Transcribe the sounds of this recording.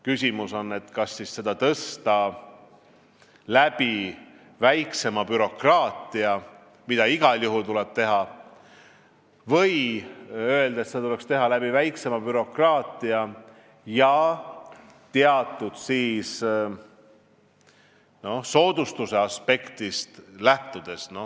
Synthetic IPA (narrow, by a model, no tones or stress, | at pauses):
kysʲimuso̞nːe̞t̪kɑsːisːe̞d̪̥ɑt̪ɤst̪ɑ | læb̥i | væjkse̞mɑbyɾo̞krɑːt̪ˑiɑ | mid̪̥ɑiɡ̥ɑljuɦult̪ulɛb̥̚t̪e̞ɦɑ | vɤ̞j | ø̞e̞ld̪̥ɑet̪set̪ule̞kst̪e̞ɦɑlæb̥ivæjkse̞mɑbyɾo̞krɑːt̪ˑiɑ | jɑ | t̪eɑt̪ːˑud̪̥siːs | no̞hso̞ːd̪ust̪use̞ɑspe̞kt̪ist̪læht̪ud̪̥e̞sno̞